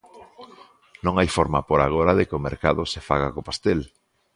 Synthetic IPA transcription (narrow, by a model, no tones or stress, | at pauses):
nõŋajfoɾmapoɾaɣ̞oɾɐðekomeɾka̰ðʊsefa̰ɣ̞akopast̪el